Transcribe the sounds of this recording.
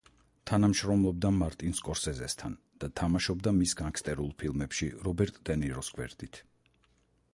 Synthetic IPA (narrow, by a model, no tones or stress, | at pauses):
t̪ʰanamʃɾɔmlˠɔb̚d̪amaɾt̪ʼinskʼɔɾsɛzɛst̪ʰan | d̪̥at̪ʰamaʃɔbd̪amisɡaŋkʰst̪ʼɛɾulˠpʰilˠmɛpʃḭɾɔbɛɾt̪ʼd̪̥ɛnɛɾɔsɡʼwɛ̰ɾd̪̥it̪ʰ